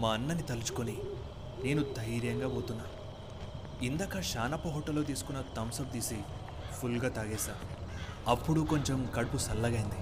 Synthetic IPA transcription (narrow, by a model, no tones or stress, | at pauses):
maːɐnːɐnit̪ɐlut͡ʃu̥koni | ne̞ːnud̪ʱɐjɾjɐŋɡaːpoːt̪unːaː | ind̪akɐʃaːnɐpːɐɦɔːʈːɐlːo̞ːt̪̬iːsu̥kunːɐt̪ɐmsɐmt̪iːsi | pʰulɡaːt̪aːɡeːsaːɐpːuɽuko̞ɲt͡ʃemkɐɽupusɐlːɐɡɐjind̪i